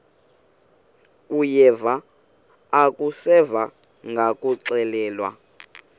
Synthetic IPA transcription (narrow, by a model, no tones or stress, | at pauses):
ujɛvaː | kʼusɛva | ŋɡʱakʼuǁɛlɛːlwa̰